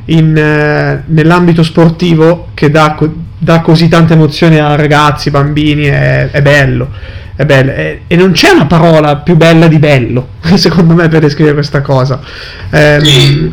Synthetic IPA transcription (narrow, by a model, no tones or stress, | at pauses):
in | nelːambit̪̬osport̪iːvok̟ed̪ako | d̪akːozit̪ːant̪emot̪sːjoːniarːaɡat̪sːibambiːniɛɛbːɛlːoɛbɛlːoʔɛenːont͡ʃɛunapaɾɔːlapjubːɛlːad̪ibɛlːo | sekond̪omepːerd̪eskɾiveɾekwest̪akɔːza | ɛm